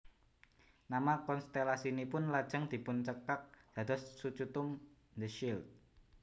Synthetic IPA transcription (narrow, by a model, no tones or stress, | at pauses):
namakɔnst̪elasinipʊnlad̥ʒ̥əŋd̪̥i̤pʊnt͡ʃəkak̚d̪̥ä̤d̪̥ɔsːut͡ʃut̪ʊm | nd̪əʃilt̪̚